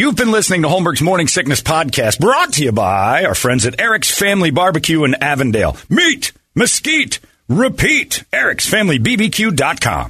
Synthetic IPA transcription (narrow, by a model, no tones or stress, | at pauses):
juvbɨ̃nlɪsnɪ̃ŋtʰəhõʊ̃mbə˞ɡzmɔɹnɪ̃ŋsɪk̚nɨspʰɑd̚kʰæst̚b̥ɹɔtʰɨjɨbaɪaʊə˞fɹɛ̃ndzɨɾɛɹɨksfæ̃mlibɑɹbɨkʰjʉɨ̃nævɨ̃ndeɪlˠmit | mɨskit | ɹɪpʰiɾɛɹɨksfæ̃mlibibikʰjʉdɑt̚kʰɑ̰̃m